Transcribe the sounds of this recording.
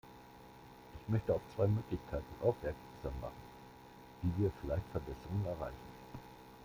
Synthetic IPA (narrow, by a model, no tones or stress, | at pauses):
ʔɪçmœçtəaʊft͡sv̥aɪmøːklɪçkʰaɪtn̩ʔa̰ʊfv̥ɛɐk | z̥aːmːa̰χn̩ | d̥iːviːɐfɪlaɪçtfɛɐbɛsəʁʊŋənɛɐʁa̰ɪçn̩